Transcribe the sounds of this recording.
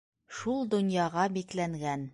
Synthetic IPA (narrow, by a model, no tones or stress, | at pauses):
ʃulˠd̪ŏnjɑʁɑbiklæŋɡæn